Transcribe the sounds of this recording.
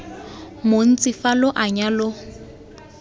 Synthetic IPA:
mon̩t͡sʼifalʊʔaɲalʊ

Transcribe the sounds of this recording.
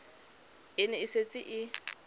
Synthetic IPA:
ɪnɛɪset͡sʼɪʔɪ

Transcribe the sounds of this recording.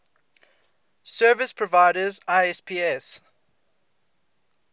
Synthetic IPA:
sɜːvɪspʰɹɔvaɪɾəzaɪɛspʰiːɛs

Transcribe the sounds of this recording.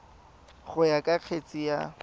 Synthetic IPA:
χʊjakʼaq͡χʰet͡sʼija

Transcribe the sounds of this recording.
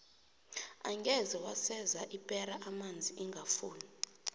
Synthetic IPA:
aŋɡɛzɛwasɛzaʔipʼɛɾaʔamand͡zʱiʔiŋɡʱafuːni

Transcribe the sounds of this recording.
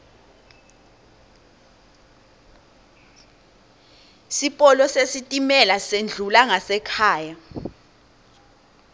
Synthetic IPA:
sipʼɔlɔsesitʼimɛlasend͡ɮʱulaŋasɛkʰaːja

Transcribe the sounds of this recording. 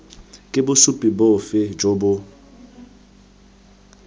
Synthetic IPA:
kʼɪbʊsupʼibofɪd͡ʒobʊ

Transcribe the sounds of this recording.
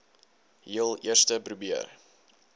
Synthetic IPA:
ɦiəlˠiərstəprubiər

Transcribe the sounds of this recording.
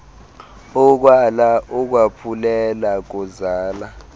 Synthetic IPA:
ɔk̬walaʔɔk̬wapʰulɛlak̬ɔzaːla

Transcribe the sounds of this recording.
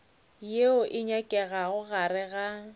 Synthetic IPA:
jeʊʔɪɲakʼɛɣaɣʊɣarɪɣa

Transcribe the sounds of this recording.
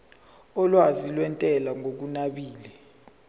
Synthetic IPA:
ɔlwazilwɛntʼɛlaŋʱok̬unaɓiːlɛ

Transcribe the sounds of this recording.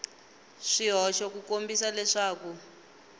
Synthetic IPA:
ʂiɦɔʃɔkukombisalɛʂaːku

